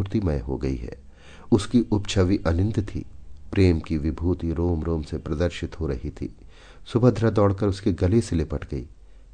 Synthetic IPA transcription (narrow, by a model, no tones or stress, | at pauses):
ɾt̪imɐjɦo̰ɡɐḭɦɛ̰ː | ʊskiʔʊpt͡ʃʰəʋiʔɐnɪ̃nd̪t̪ʰḭːpɾeːmkiʋɪbʱuːt̪iɾoːmɾoːmsepɾɐd̪əɾʃɪt̪ɦoɾɐɦit̪ʰḭː | sʊbʱəd̪ʱɾəd̪ɔːɽkəɾʊskiɡɐleselepɐʈɡɐḭː